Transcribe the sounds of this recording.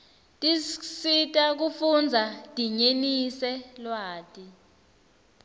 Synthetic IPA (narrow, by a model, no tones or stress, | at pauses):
tʼisitʼak̬ufund͡zʱad̥ʱiɲenisɛlwaːtʼi